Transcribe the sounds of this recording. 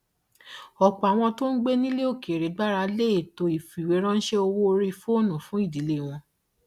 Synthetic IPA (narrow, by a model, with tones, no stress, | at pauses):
ɔ˨k͡pɔ˨a˨w̃ɔ̃˧to˦n̩˦ɡ͡be˦nĩ˦le˦o˦˨ke˨ɾe˨˦ɡ͡ba˦ɾa˧le˦˨to˧i˨fi˨we˨˦ɾ̃ã˦n̩˦ʃe˦o˧wo˦˧ɾi˧fo˦˨nũ˨fũ˨˦i˦˨di˨˦le˦˨w̃ɔ̃˧